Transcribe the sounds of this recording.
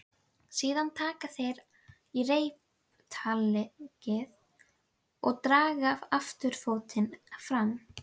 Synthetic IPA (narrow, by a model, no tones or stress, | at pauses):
siːðant̪ʰaːkaθejɾ | ireːjp | t̪ʰalɪcɪð | ɔɣt̪ɾaːɣavaft̪ʏɾ̥foːwt̪ɪnfɾam